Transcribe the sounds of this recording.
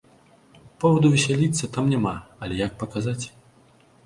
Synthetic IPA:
pɔvɐd̪uvʲɛsʲalʲit̪sːɐt̪amnʲamaɐlʲɛjak̚pɐkazat͡sʲ

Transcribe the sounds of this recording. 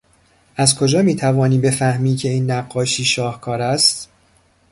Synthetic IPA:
ʔæzkʰo̞d͡ʒɒːmiːt̪ʰævɒːniːbe̞fæhmiːcʰe̞iːnːæɢːɒːʃiːʃɒːhkʰɒːɾæst̪

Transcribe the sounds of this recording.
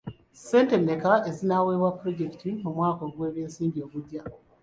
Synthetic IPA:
se̞ːnte̞nːekaezinawe̞ːβwapːɾo̞ɟe̞ki̥timumwaːko̞ɡwe̞ːβjeːnsiːmɟio̞ːβudja

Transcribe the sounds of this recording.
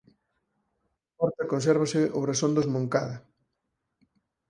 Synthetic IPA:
ɔɾt̪ɐkonsɛɾβ̞ɐsɪoβɾasond̪ozmoŋkaðɐ

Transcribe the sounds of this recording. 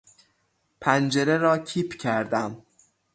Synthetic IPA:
pʰænd͡ʒeɾeɾɒːcʰiːpʰcʰæɾd̪æm

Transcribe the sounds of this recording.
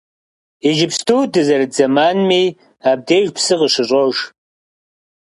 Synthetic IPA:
iʒɪpstʰuːdɨzɐɾɨd͡zɐmaːnmiː | aːb̚deːʒpsɨqəʂɨɕʼoʒ

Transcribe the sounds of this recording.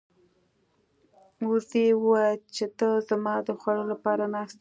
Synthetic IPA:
wusewwajt͡ʃet̪əzamɑd̪əxwalolapɑɾanaxst̪

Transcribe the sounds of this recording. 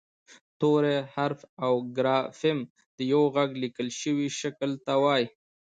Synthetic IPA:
t̪oɾehaɾfawɡɾɑfɪm | d̪̥əjawɣaɡlikəlʃəwiʃakəlt̪awɑj

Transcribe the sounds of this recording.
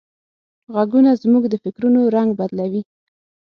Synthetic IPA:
ɣaɡunazmuɡd̪əfɪkɾunoɾaŋɡbad̪lawi

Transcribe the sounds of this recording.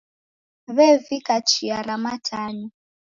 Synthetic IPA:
βɛvikat͡ʃiaɾamatʰaːnu

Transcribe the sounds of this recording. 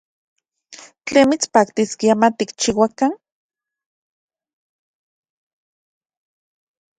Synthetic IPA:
t͡ɬeːnmit͡spaːkt̪iskiamat̪ikt͡ʃiwakan

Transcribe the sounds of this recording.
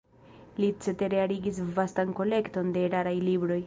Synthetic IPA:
lit͡set̪eɾeaɾiɡis̬vast̪anko̞le̞kt̪o̞nd̪e̞ːɾaɾajlibɾo̞j

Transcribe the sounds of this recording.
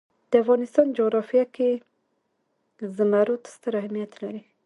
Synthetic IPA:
d̪̥əafɣɑnɪst̪ɑnd͡ʒoɣɾɑfijake | zəmaɾot̪ḁst̪əɾahamijat̪laɾi

